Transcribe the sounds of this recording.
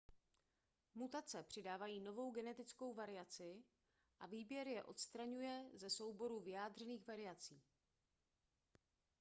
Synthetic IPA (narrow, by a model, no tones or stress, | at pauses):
mut̪at͡sɛpr̥ɪdaːvajiːno̞vo̞wɡɛnɛt̪ɪt͡sko̞wvaɾɪat͡sɪ | ʔaviːbjɛɾjɛʔo̞t̪st̪ɾaɲujɛzɛso̞wbo̞ɾuvɪjaːd̪r̝ɛniːxvaɾɪjat͡siː